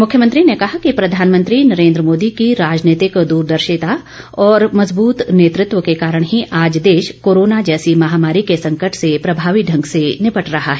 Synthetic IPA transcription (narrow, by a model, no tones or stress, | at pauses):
mʊkʰjəmə̃nt̪ɾinekɐɦakipɾɐd̪ʱaːnmə̃nt̪ɾinɐɾẽːnd̪ɾəmoːd̪ikiɾaːd͡ʒneːt̪ɪkd̪uːɾd̪ɐɾʃɪt̪a | ɔːɾmɐzbuːt̪neːt̪ɾɪt̪wəkekaːɾəɽ̃ɦiʔaːd͡ʒd̪eːʃkoːɾoːnad͡ʒɛːsimɐɦaːmaːɾikesɐ̃ŋkəʈsepɾɐbʱaːʋiɖʱɐ̃ŋɡsenɪpəʈɾɐɦaɦɛː